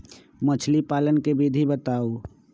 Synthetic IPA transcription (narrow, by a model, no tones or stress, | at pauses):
mət͡ʃʰlipaːlənkebid̪ʱibət̪aːo